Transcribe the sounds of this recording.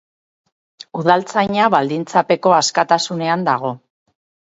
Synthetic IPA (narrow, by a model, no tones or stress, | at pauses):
uð̞alt͡sajɲaβald̪int͡sape̞ko̞askat̪asune̞and̪aɣ̞o̞